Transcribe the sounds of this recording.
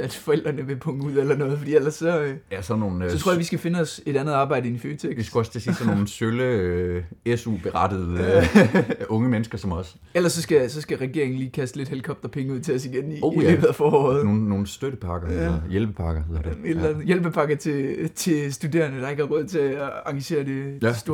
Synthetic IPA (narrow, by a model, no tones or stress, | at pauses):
æd̥fɒ̽el̰d̥ʁɐnəʋe̝pʰɔ̽ŋəuð̰ˠelɐnɔ̽ːðˠfɒdḭːel̰ɐsːɒ̽jæsɒnːo̝ːn̩sɒt͡sʰʁoɐɐʋisɡ̥æfe̝nəɒ̽se̝d̥ænð̞̩ˠɑːb̥ɑ̈ɪ̰ɾ̥əienføːt͡sʰeɡʋisɡ̥uɒ̽st͡sʰe̝si̥sɒnːo̝n̩sølə | esṵb̥e̝ʁɑ̈d̥əð̩ˠ | ɔ̽ŋəmenəsɡ̥ɐsɒ̽mɒ̽s | elɐsːɒ̽sɡ̥æsɒ̽sɡ̥æʁɛɡ̥e̝ɐeŋn̩liːkʰæsd̥əle̝d̥helkʰɒ̽b̥̚d̥ɐpʰeŋəuð̞̰ˠt͡sʰe̝ɒsiɡ̥en̰iḛːb̥ð̩ˠæfɒːɔ̰ːð̩ˠno̝ːn̩ːo̝ːn̩sd̥øɾəpʰɑ̈ɡ̥ɐelɐjelb̥əpʰɑ̈ɡ̥ɐ̥ed̥lænð̩ˠjelb̥əpʰɑ̈ɡ̥ɐt͡sʰe̝t͡sʰe̝sd̥ude̝̰ːɐnəd̥ɑ̈e̝ɡ̥hɑ̈ʁɔð̰ˠt͡sʰe̝ɑ̈ŋɡ̥æɕe̝̰ːɐd̥e̝sd̥o̝